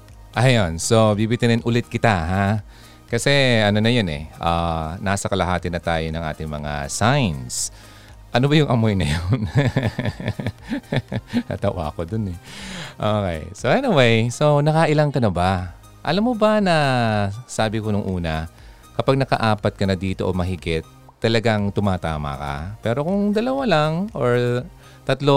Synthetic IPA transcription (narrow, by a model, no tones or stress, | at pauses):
ʔɐjonso̞bibit̪ɪnɪnʔʊlɪt̪̚kɪt̪aɦa | kɐsɛɐno̞nɐjonɛ̰ʔanaːsɐkɐlɐɦaːt̪ɪnːɐt̪aːjo̞nɐŋʔa̰ːt̪ɪŋmɐ̰ŋa̰sajns | ʔɐnobɐjʊŋʔɐmojnɐ̰jon | h̪ɐ̰t̪ɐwa̰ːkod̪onɛʔoːkɛ̰jsoʔɛniwejso̞nɐkɐʔɪlaŋkɐnɐba | ʔɐ̰lamːobɐnɐ | saːbɪkonʊŋʔuːnɐ | kɐpaɡ̚nɐkɐ̰ʔaːpɐt̪̚kɐnɐd̪iːt̪o̞ʔomɐɦɪɡɪt̪ː | ɐlɐɡaŋt̪ʊmaːt̪a̰ːmɐ̰kɐ̰pɛːɾo̞kʊŋd̪ɐlɐwalaŋʔoɹ | t̪ɐt̪lo